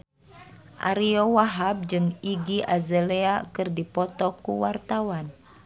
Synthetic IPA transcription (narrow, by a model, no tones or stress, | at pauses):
ʔa̰ɾiowaɦab̚d͡ʒɨŋiɡiʔazəleakɨrdipɔt̪ɔkuwart̪awan